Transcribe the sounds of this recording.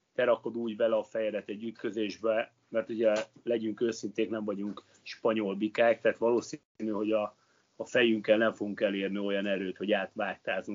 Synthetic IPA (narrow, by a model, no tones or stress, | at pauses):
t̪ɛɾɒko̞d̪uːɟbɛlɛɒfɛjɛd̪ɛt̪ɛɟːyt̪kø̞zeːʒbɛ | mɛrt̪uɟɛlɛɟyŋkøːsint̪eːknɛɱvɒɟuŋk | ʃpɒɲolbikaːk̚t̪aːt̪ʋɒloːs | nyɦo̞ɟɒː | fɛjyŋkːɛlnɛɱfo̞ɡuŋkɛleːrnio̞jɒnɛɾøːt̪ho̞ɟaːt̪ʋaːt̪aːzuŋ